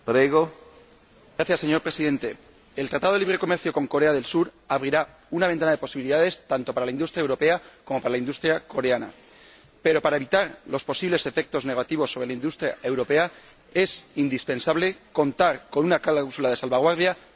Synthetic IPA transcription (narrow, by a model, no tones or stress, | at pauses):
pɾeɣo | ɡɾaθjasːeɲo̞ɾpɾe̞siðe̞nt̪e̞ | elt̪ɾat̪aðliβɾe̞ko̞me̞ɾθjo̞ko̞ŋko̞ɾe̞aðe̞lsuɾaβɾiɾa | unaβent̪anaðe̞po̞siβiliðaðe̞st̪ant̪o̞paɾalaind̪ust̪ɾaewɾo̞pe̞ako̞mo̞paɾalaind̪ust̪ɾjako̞ɾeana̰ | pe̞ɾo̞paɾae̞βit̪aɾlo̞spo̞siβle̞se̞fe̞k̚t̪o̞zne̞ɣ̞at̪iβo̞sːo̞βɾelaind̪ust̪ɾjae̞wɾo̞pe̞a | e̞sind̪ispe̞nsaβle̞ko̞nt̪aɾko̞nunakawsulaðesalβaɣ̞waɾðja